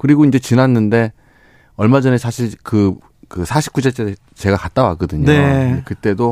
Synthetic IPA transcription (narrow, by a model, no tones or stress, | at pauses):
kɯɾiɡoind͡ʑe̞t͡ɕinanːɯnde̞ | ʌɭmad͡ʑʌnesʰaɕʰiɭkɯ | kɯsʰaɕʰi̥p̚k͈ud͡ʑet͡ɕ͈e | t͡ɕe̞ɡakat͈awak͈ɯdɯɲoeekɯt͈e̞do